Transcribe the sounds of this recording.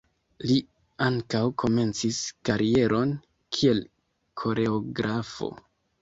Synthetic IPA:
li | aŋkawkʰo̞me̞nt͡siskaɾie̞ɾo̞n | kʰie̞l | kʰo̞ɾe̞oɡɾafo̞̰

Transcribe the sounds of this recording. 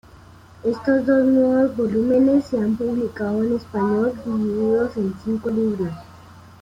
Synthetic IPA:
est̪osd̪osnweβosbolumenesːeampuβlikaðoenespaɲolɡiiiðosensiŋkoliβɾjos

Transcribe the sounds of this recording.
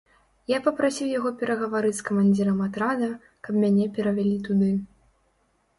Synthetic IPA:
japɐpɾasʲiwjaɣɔpʲɛɾɐɣɐvaɾɨt͡sʲskɐmanʲd͡zʲiɾɐmat̪ɾad̪ɐ | kɐpmʲanʲɛpʲɛɾɐvʲalʲit̪ud̪ɨ

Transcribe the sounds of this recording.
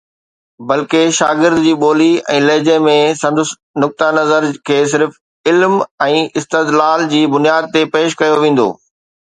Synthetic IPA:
bɐlkeʃaːɡɪɾd̪ʊd͡ʑiːɓoːliɛ̰̃ːleːd͡ʑẽmẽsɐ̃nd̪ʊs | nʊk̚t̪anɐzəɾkʰeːs̬ɪɾf | ɪlmɛ̃ːʔɪst̪ed̪laːld͡ʑiːbʊnijaːd̪̚t̪epeːʃkɐjoʋẽːn̆d̪o̰ː

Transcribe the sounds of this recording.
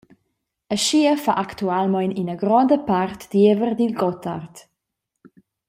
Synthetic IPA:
əʃiəfaʔakt̪ualmɔjninəɡɾɔnd̪əpart̪d̪̥ievərd̪ilɡɔtʰart̪

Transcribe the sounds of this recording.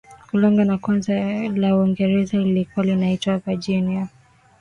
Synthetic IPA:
kulɔŋɡanakwanzalauɔŋɡɛɾɛzalilikualinaitwaapad͡ʒɛnia

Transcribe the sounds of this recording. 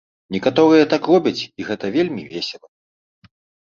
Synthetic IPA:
nʲɛkat̪ɔɾɨjɐt̪akrɔbʲɐt͡sʲiɣɛt̪ɐvʲelʲmʲivʲesʲɛlˠɐ

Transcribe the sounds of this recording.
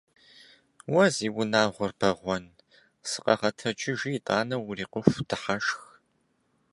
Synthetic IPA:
wɐziːwʊnaːʁʷʊrbɐʁʷɔn | sɨ̥qʼɐ̰ʁɐtʰɐt͡ʃʼɪʒijːtʼaːnɐwʊriːqʷʊfʷdʰɨħaʃx

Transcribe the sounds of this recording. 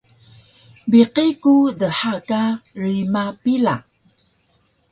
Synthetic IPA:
biqikudəħakarimapila

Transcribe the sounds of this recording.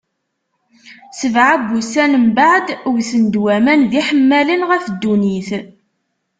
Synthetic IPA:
səvʕabːusænəmbaʕd̪ʊwsənd̪wæmænðiħəmːælinʁæfd̪ːuniθ

